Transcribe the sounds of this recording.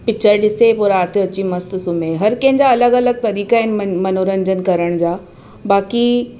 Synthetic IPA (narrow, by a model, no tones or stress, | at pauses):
pɪk̚t͡ɕəɾɗɪsepʊɾaːt̪ʰeɐt͡ɕimɐst̪sumẽɦɐɾkɐ̃ɦɪ̃ɲd͡ʑaɐləɡɐləɡ̚t̪ɐɾiːkaɦɪnɪ̆mɐnoːɾə̃ɲd͡ʑənkɐɾəɽ̃d͡ʑaː | baːki